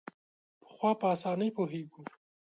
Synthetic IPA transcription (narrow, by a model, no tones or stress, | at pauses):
pə̥xwɑpəasɑnəjpoɦeɡu